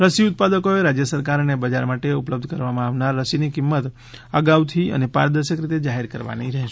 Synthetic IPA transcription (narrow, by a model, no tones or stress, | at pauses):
ɾəsiʊt̪̚pad̪əkoeɾad͡ʒjəsəɾkaɾnebəd͡ʒaɾmaʈeupləb̚d̪ʱkəɾʋamãaʋnaɾːəsinikɪmːət̪ | əɡaʋt̪ʰiə̰nepa̰ɾəd̪əɾʃəkɾit̪ed͡ʒaɦeɾkəɾʋa̰niɾəɦʃe